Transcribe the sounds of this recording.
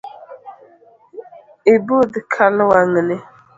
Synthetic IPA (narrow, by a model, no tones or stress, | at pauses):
ɪbod̪ɪkʰaləwaŋəne